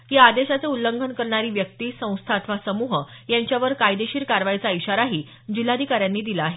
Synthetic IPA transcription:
ɦaad̪eɕat͡seulːəŋɡʱənkəɾɳaɾiːʋjək̚t̪iːsə̃w̃st̪ʰaːt̪ʰʋasəmuɦə | jaɲt͡ɕjaʋəɾkajd̪eɕiːɾkaɾʋajt͡saiɕaɾaɦiː | d͡ʑil̤ːad̪ʱikaɾjanːiːd̪ilaːɦe

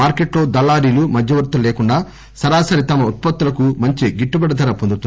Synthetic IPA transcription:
aːɾkeʈlo̞ːd̪ɐlːaːɾiːlumɐd̪ʱjɐʋɐɾt̪ːɐleːkuɳɖaː | sɐɾaːsɐɾit̪ɐmɐut̪̚pɐt̪ːulɐkumɐɲt͡ʃiɡiʈːubɐɽɐd̪ɐɾɐpond̪ut̪u

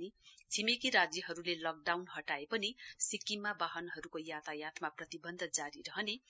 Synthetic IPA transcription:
it͡sʰimekiɾad͡zjʌɦʌɾulelʌk̚ɖawnɦʌʈaepʌnisikːimːabaɦʌnɦʌɾukojat̪ʰajat̪ʰmaprʌt̪ibʌnd̪ʱʌd͡zaɾiɾʌɦʌne

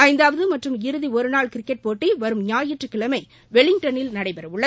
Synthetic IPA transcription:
ɐɪnd̪aːʋɐðɯmɐʈrɯmɪɾɯðiɔɾɯnaːɭkɪɾɪkːɛʈ̚poːʈːiʋɐɾɯmɲaːjɪʈrɯkːɪɭɐmɐɪ | ʋɛɭɪŋ̚ʈɐnɪlnɐɽɐɪpɐɾɐʋɯɭːɐ

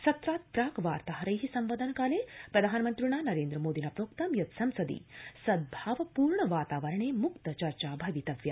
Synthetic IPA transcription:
sɐt̪ɾaːt̪̚pɾaːkʋaːɾt̪aɦɐɾɐjɦisɐmʋɐːd̪ɐnɐkaːleːpɾɐd̪ʱaːnɐmɐnt̪ɾuɳaːnɐɾeːnd̪ɾɐmoːd̪inɐpɾoːkt̪ɐmjɐt̪sɐmsɐd̪ḭsɐd̪̚bʱaːʋɐpuːɾɳɐʋaːt̪aːʋɐɾɐɳeːmukt̪ɐt͡ʃɐɾt͡ʃaːbʱɐʋit̪ɐʋjɐ

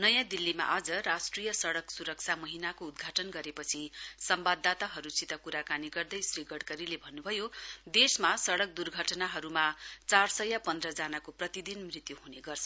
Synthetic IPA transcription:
nʌjãd̪ilːima̰ʔad͡zʌrasʈrijʌsʌɽʌksuɾʌk̚t͡sʰamʌɦinakoːd̪̚ɡʱaʈʌnɡʌɾepʌt͡sʰisʌmbad̪ːat̪aɦʌɾusit̪ʌkuɾakaniɡʌrd̪ʌjsriɡʌɽkʌɾilebʱʌnːubʱʌjod̪esmasʌɽʌk̚d̪urɡʱʌʈnaɦʌɾumat͡sarsʌjapʌnd̪rʌd͡zanakoprʌt̪id̪inmrit̪juɦuneɡʌrt͡sʰʌ

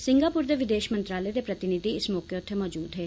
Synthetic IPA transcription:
sɪ̃ŋɡaːpʊɾd̪eʋɪd̪eːʃmə̃nt̪ɾaːled̪epɾɐt̪ɪnɪd̪iɪsmɔːkeʊt̪ʰːemɔːd͡ʒuːd̪ɦeː

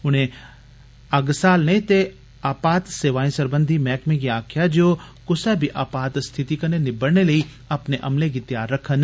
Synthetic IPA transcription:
ʊn̤ẽ | ɐɡsaːlnɐit̪e | aːpaːt̪seːʋaːĩsɐɾbə̃nd̪ʱimɛːkmẽɡiaːkʰjad͡ʒoː | kʊsɛbʱiʔaːpaːt̪st̪ʰɪt̪ikɐnenɪbəɽneləi | ɐpneʔɐ̰mleɡit̪jaːɾːɐkʰən

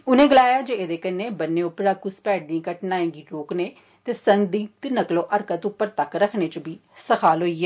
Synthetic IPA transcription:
ʊnẽːɡɪlaːjaːd͡ʒeːeːd̪eːkəneːbənːeːʊpːɾaːkʊspɛːʈ̚d̪iãːkəʈnaːẽːɡiːɾoːkneː | t̪eːsəŋɡd̪iːt̪ɪnəklõːʔəɾkət̪ʊpːəɾt̪əkɾəkʰneːt͡ʃəbiːsəkʰaːlɦoːiːɛː

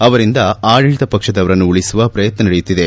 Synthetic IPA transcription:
ɐʋɐɾind̪ɐaːɻiɻd̪ɐpɐkʂɐd̪ɐʋɐɾɐnːuːɭisuʋɐpɾɐjɐt̪nɐnɐɽejut̪ːid̪e

